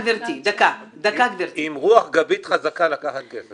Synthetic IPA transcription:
veɾt̪id̪akad̪akat̪veɾtimʁuaχɡabit̪χazakalakaχat̪̚kese

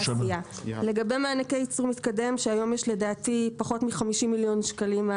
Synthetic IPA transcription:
iale̞ɡabe̞maːnakejit͡smit̪kade̞mʃeajo̞mjeʃledaːtipaχo̞tmiχamiʃimiljo̞nʃkalima

